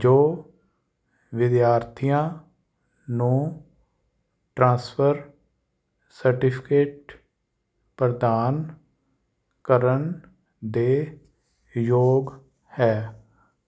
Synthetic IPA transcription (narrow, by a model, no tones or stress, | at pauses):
d͡ʒoː | ʋɪd̪jaːɾt̪ʰijãː | nũː | ʈɾãːspʰəɾ | səɾʈɪpʰɪkeːʈ | pɾəd̪aːn | kəɾən | d̪eː | joːɡ | hɛː